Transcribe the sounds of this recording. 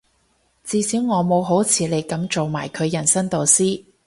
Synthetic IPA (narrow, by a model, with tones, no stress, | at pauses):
t͡siː˨˧siː˨˥wŋɔː˨˧mo˨˧wɦo˨˥wt͡sʰiː˨˧˥le˨˩jkɐ˨˥mt͡so˨wmaː˨˩jkʰɵ˨˧ɥjɐ˨˩nsɐ˥ŋt̪o˨˧wsiː˥